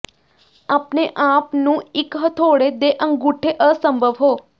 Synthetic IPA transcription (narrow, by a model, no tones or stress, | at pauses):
aːpneʔapnũɪkɦət̪ʰoːɽed̪eʔəŋɡuʈʰːeʔəsəmbʱəʋɦoː